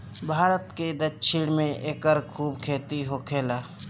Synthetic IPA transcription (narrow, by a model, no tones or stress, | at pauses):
bʱaːɾət̪ked̪ətʃʰɪɽmẽʔeːkəɾkʰuːbkʰeːt̪iɦoːkʰeːlaː